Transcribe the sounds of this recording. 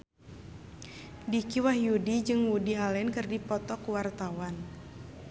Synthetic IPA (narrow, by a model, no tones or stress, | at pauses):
dikiwahjudid͡ʒɨŋwudiɦalɛnkɨrdipɔt̪ɔkuwart̪awan